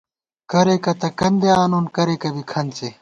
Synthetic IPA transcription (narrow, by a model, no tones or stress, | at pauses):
kɐɾeːkɐt̪ɐkɐnd̪eaːnoːnkɐɾeːkɐbikʰɐnt͡se